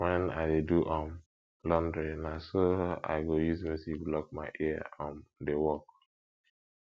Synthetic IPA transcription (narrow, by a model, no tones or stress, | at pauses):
wɛ̃na̰ɪdeduʔɔ̃m | lɔ̃ndɹenasoa̰ɪɡojuzmisiblɔk̚maɪʔɛaɔ̃ndewɔk̚